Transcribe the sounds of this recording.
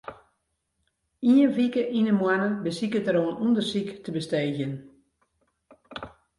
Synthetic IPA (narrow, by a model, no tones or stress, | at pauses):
iənʋikəʔinəmwanənbəsikətəɾoənundərsiktəbəsteːɣjən